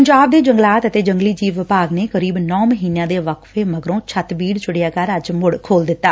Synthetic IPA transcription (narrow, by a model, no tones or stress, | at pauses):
pəɲd͡ʒaːb̚d̪eːd͡ʒəŋɡlaːt̪ət̪eːd͡ʒəŋɡliːd͡ʒiːʋɪpaːɡneːkəɾiːbnɔːməɦiːnjãːd̪eːʋəkʰʋeːməɡəɾõːt͡ʃʰət̪biːɽt͡ʃʊɽɪjaːkəɾəd͡ʒmʊɽkʰoːld̪ɪt̪ːaː